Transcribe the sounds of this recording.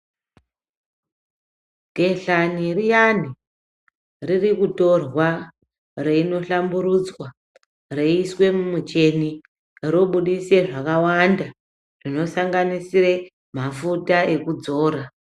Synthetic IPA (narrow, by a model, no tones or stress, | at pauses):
ɡʱe̞ɬanirijani | ririkuto̞rwa | reino̞ɬambuɾud͡zwa | reiswe̞mumut͡ʃe̞ni | ɾoɓuɗise̞ʐakawanda | rino̞saŋɡanisire | mafutae̞kud͡zo̞ːɾa